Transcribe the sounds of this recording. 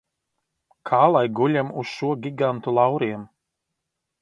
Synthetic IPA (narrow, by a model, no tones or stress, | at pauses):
kʰaːlˠajɡulʲɛmusʃuɔɡʲiɡant̪ulˠɑwɾiɛm